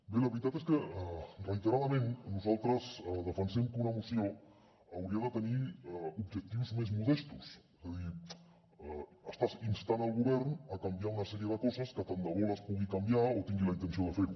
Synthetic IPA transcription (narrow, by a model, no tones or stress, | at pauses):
beləβɾit̪at̪eskəərəit̪əɾaðəmenːuzalˠt̪ɾəzðəfənsɛmkunəmusio | əwɾiəðət̪əniubʒək̚t̪iwzmezmuðɛst̪usezəði | əst̪azinst̪anəlˠɣuβɛɾnəkəmbjaunəsɛɾijəðəkɔzəskət̪ənd̪əɣoləspuɣikəmbjaot̪iŋɡiləint̪ənsioðəfeɾu